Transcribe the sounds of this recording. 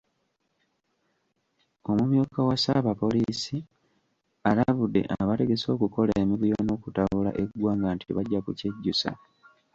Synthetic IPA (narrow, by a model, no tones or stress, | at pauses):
o̞mumjuːkawasaβapo̞liːsi | alaβudːe̞̰ʔaβate̞ɡe̞so̞ːkuko̞laemiβujono̞ːkutaula̰ʔe̞ɡwaːŋɡantʰḭβaɟːakuce̞ɟːusa̰